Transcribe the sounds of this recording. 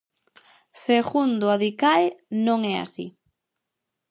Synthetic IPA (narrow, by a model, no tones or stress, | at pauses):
seɣund̪oaðikaenõŋɛa̰sḭ